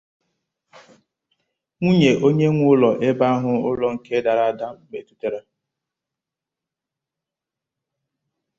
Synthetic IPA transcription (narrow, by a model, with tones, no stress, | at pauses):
ŋʷu˦ɲe˨ʔo˦ɲe˦ŋʷʊ˦lɔ˨ʔe˦ba˦a˦ɦʊ˦ʊ˦lɔ˦ŋ̩˨ke˦da˨ɾa˦a˦˨da˦ɡ͡be˨tu˦te˨ɾa˦